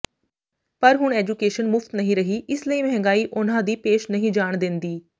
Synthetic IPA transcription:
pəɾɦʊɳɛːd͡ʒukeːʃənmʊft̪nəɦĩːɾəɦiːʔɪsleiːmɛ̃ɦŋɡaːiːʔʊnãːd̪iːpeːʃnəɦĩːd͡ʒaːɳd̪ɪ̃nd̪iː

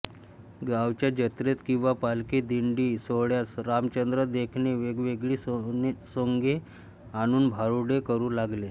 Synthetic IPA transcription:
ɡaʋt͡ɕjad͡ʑət̪ɾet̪kĩw̃ʋapalkiːd̪iɳɖiːsoɭjasɾamt͡ɕənd̪ɾəd̪ekʰneʋeɡʋeɡɭiːsoŋɡe | aɽ̃uːnbʱaɾuɽekəɾuːlaɡle

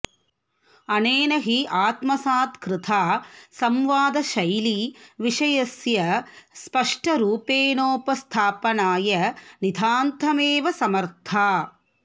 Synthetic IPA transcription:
ɐneːnɐɦiʔaːt̪mɐsaːt̪kɾɪt̪ʰaːsɐmʋaːd̪ɐʃɐjliʋiʂɐjɐsjɐspɐʂʈɐɾuːpeːnoːpɐst̪ʰaːpɐnaːjɐnid̪ʱaːnt̪ʰɐmeːʋɐsɐmɐɾt̪ʰaː

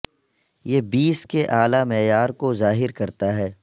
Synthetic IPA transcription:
jeːbiːskeʔaːlamɛːjaːɾkozaːɦɪɾkɐɾt̪aɦɛː

